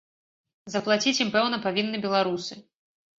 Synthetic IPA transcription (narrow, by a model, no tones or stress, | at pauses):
zɐplˠat͡sʲit͡sʲjimpɛwnɐpavʲinːɨbʲɛlˠaɾusɨ